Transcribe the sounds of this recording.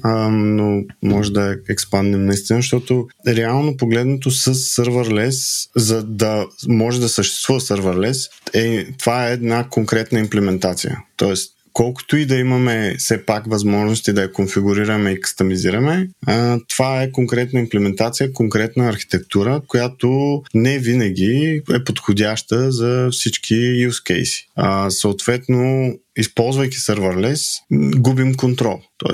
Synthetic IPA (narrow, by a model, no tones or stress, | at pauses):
nomɔʒɛd̪ɐɛkspand̪imnɐist̪inəʃt̪ɔt̪oɾɛalˠnopoɡlɛd̪not̪osəsːəɾvəɾlɛszɐd̪ɐmɔʒɛd̪ɐsəʃt̪ɛ̥st̪v̥uvɐsəɾvəɾlɛsɛt̪ovaɛːd̪nakoŋkɾɛt̪nəimplɛmɛnt̪at̪sḭjə̰t̪ɔɛst̪ | kɔlˠkʊ̥t̪ʊid̪ɐimɐmɛsɛpakvɐzmɔʒnost̪id̪ɐjɐkonfiɡʊɾiɾɐmɛikə̥st̪ɐmiziɾɐmɛt̪ovaɛkoŋkɾɛt̪nəimplɛmɛnt̪at̪sijəkoŋkɾɛt̪noɛɐɾxi̥t̪ɛk̚t̪uɾəkojat̪onɛvinɐɡ̟iɛpot̪xodʲaʃt̪əzɐfsit͡ʃk̟ʰijuskɛ̰jsi̥asəʊt̪v̥ɛt̪noispɔlˠzvɐjki̥səɾvəɾlɛsɡubimkont̪ɾɔlˠt̪ɔ̰